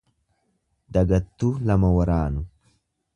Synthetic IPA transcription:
d̪ɐɡɐt̪ːuːlɐmɐwɐɾaːnʊ

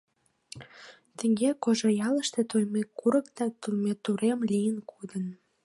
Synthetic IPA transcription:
t̪ə̆ŋɡekoʒojɑləʃt̪et̪ojmekːuɾəkt̪ɑt̪umet̪uɾemlʲijənkʰud̪ən

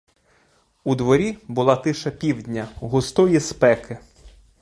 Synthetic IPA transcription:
ud̪ʋɔɾʲibʊlˠɑt̪ɪʃɐpʲiwdʲnʲɐɦʊst̪ɔjispɛkɪ

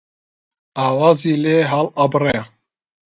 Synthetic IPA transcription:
aːwaːziːleːɦalɑbrɛ

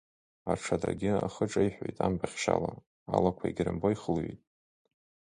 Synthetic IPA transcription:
aʈ͡ʂʰadaɡʲɪaχəʈ͡ʂʼaiħʷᶣojtʼambʰʼaχʲʃa̰la | alakʷʰaiɡʲrɨmboiχəlɥejtʼ

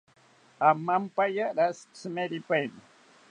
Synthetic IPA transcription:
amːampajaɾast͡səmeɾipajn

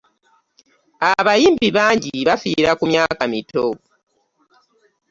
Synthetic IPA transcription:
aβajiːmbiβaːɲɟiβafiɾakumjaːkamito

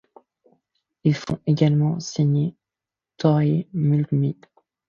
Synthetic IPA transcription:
ilfɔ̰̃eɡʲalmɑ̃siɲe | t̪ʰɔʁemylɡmi

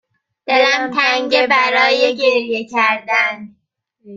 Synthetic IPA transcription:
d̪̥elæmt̪ʰæŋɟebæɾɒːjeɟeɾjecʰæɾd̪æn

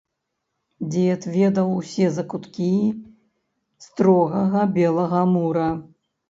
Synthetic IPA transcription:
d͡zʲɛɛt̪vʲɛd̪ɐwsʲɛzɐkut̪kʲi | st̪ɾɔɣɐɣɐbʲɛlˠɐɣɐmuɾɐ

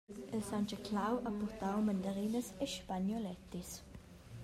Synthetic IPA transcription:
əlsant͡ʃəkʰlawʔapɔʁt̪awmand̪aʁiːnəseʃpanjɔlɛt̪is

